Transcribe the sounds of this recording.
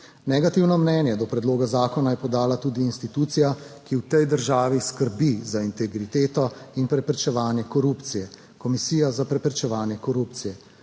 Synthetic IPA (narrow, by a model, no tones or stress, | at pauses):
nɛɡat̪iwnɔmnɛːnjɛd̪ɔpɾɛd̪loːɡazaːkɔnajɛpɔd̪aːlat̪uːd̪iːnst̪it̪uːt̪sijakiwt̪ɛjd̪əɾʒaːʋiskəɾbizaint̪ɛɡɾit̪eːt̪ɔinpɾɛpɾɛt͡ʃɛʋaːnjɛkɔɾuːpt̪sijɛ | kɔmisiːjazapɾɛpɾɛt͡ʃɛʋaːnjɛkɔɾup̚t̪sijɛ